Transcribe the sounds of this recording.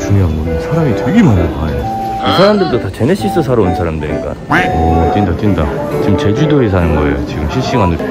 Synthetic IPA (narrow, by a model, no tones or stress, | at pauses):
t͡ɕuɲiamonɯnsʰaɾamitʰeɡimanakao | isʰaɾamdɯɭdotat͡ɕe̞neɕ͈is͈ʌs̬ʰaɾonnsʰaɾamdɯɲḭk͈a̰ot͈indat͈ɥinda̰ | t͡ɕiɯmt͡ɕe̞d͡ʑudoes̬ʰanɯnɡʌejo̰t͡ɕiɡɯmɕʰiɭɕ͈iŋanɯ